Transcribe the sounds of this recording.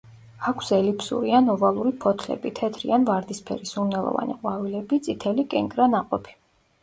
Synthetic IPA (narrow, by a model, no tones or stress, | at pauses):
akʷʰsɛlipsṵɾianɔvalˠuɾipʰɔt̪ʰlɛ̰bit̪ʰɛt̪ʰɾḭanvaɾd̪ispʰɛ̰ɾisumnɛlˠɔ̰va̰nḭqʼwavilɛbit̪sʼit̪ʰɛlikʼɛŋkʼɾanaqʼɔpʰi̥